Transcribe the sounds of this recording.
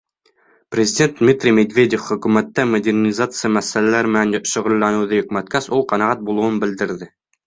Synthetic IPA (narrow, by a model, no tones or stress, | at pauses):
prʲɪzʲɪdʲe̞nt̪̚d̪mʲit̪rʲimʲed̪vʲed̪ʲefχɵ̆kʉmæt̪ːæmod̪ʲernʲizat̪sɨjəmæsælælæɾmɘ̆nænʃŏʁŭlˠːɑnuðɤjɵ̆kmæt̪̚kæsulˠqɑnɑʁɑt̪̚bulˠuwɤnbɘ̆ld̪ɘ̆ɾðɘ